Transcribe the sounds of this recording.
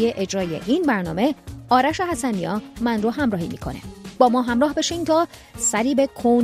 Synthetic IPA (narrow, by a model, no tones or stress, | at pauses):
eʔed͡ʒɾɒːje̞̰ʔiːnbæɾnɒ̰ːme̞ɒːɾæʃe̞ɦæsæniɒːmænroɦæmɾɒːhḭːmḭːkʰo̞̰nḛbɒːmɒːɦæmɾɒːɦbe̞ʃiːnt̪ʰɒː | sæɾiːbe̞kʰon